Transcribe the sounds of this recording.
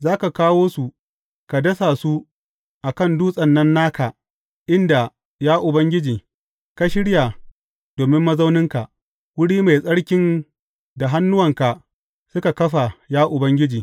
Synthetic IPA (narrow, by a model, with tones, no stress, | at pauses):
zaː˦ka˨kaː˦woː˦su˨ | ka˨dɐ˦sa˨su˦ | ʔa˨kɐ˦˨nduː˦sʼɐ˨nːɐ˦nːaː˦ka˨ | ʔɪ˦nda˨ | jaː˦ʔʊ˨bɐ˦ŋɡʲɪ˦d͡ʒiː˨ | ka˨ʃɪ˦ɽja˨ | d̥oː˨mɪ˦mːɐ˦za˦wnɪ˦ŋka˨ʔ | wʊ˦ɽiː˦ma˨jsʼɐ˦ɽkʲɪ˦n | da˨ɦa˦nːʊ˦wɐ˨ŋka˨ | sʊ˦ka˨kɐ˦ɸa˨jaː˦ʔʊ˨bɐ˦ŋɡʲɪ˦d͡ʒiː˨